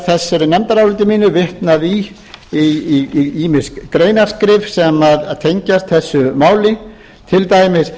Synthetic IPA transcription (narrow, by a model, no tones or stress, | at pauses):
θɛsːɛɾʏnɛmt̪aɾawlʏt̪̬ɪmiːnʏvɪht̪naði | i | iːmɪ̥skkɾeːjnaɾskɾɪfsɛmaðt̪ʰejɲcast̪θɛsːʏmaːwlɪ | t̪ʰɪlt̪aːjmɪs